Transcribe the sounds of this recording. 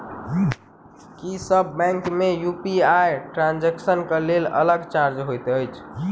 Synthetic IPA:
kisəbːɛ̃ŋkmejupiajʈɾãnd͡ʒɛksənkəlelə̰ləɡt͡ʃaɾd͡ʒɦojt̪əjt͡ʃʰ

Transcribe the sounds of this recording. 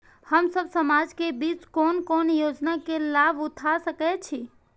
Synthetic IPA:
həmsəbsəmad͡ʒkebiːt͡ʃkoːnkoːnjod͡ʒnakelabʊt̪ʰasəkɛt͡ʃʰi

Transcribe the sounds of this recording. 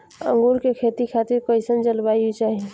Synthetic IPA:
ə̰̃ŋɡuːɾkekʰeːt̪ikʰaːt̪ɪɾkoɪsənd͡ʒəlbaːjut͡ʃaːɦie

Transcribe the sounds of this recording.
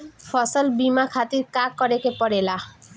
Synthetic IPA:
fʰɔsɔlbimakʰat̪iɾkakɔɾekepɔɽela

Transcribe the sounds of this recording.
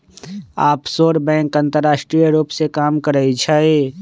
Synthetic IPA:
aːpsoːɾbɛ̃ːŋkə̃nt̪əɾːaːʃʈɾijəɾuːpsekaːmkəɾəit͡ʃʰɛe

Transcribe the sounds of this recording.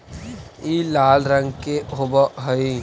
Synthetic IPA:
iːlaːlɾə̃ŋɡkeɦobəɦəi

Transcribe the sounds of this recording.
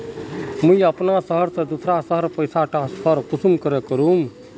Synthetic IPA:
mujəpnasəɦəɾsə̃d̪usɾasəɦəɾpəjsaʈaspʰəɾkusumkəɾekəɾum

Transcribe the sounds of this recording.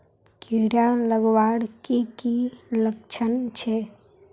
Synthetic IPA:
kiɽjãləɡwaːɽkikilək̚t͡ʃʰənt͡ʃʰe

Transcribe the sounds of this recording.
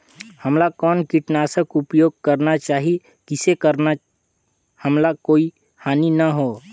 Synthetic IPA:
həmlakɔːnkiʈnaːsəkʊpjoːɡ̚kəɾnat͡ʃaːɦi | kɪsekəɾna | həmlakoːi | haːninəɦoː

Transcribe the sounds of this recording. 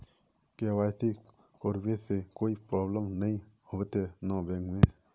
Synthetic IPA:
keʋaːjt̪i | koɾbesekoːipɾɔːbləmnəĩ | hot̪enabẽːŋɡmẽ

